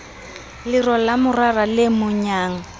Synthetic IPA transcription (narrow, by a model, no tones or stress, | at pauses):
lɪrɔlamʊraralɪmʊɲaːŋ̩